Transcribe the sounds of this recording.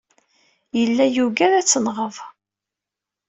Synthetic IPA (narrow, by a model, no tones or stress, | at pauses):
jəlːæjuɡæɾæt͡sːənʁəv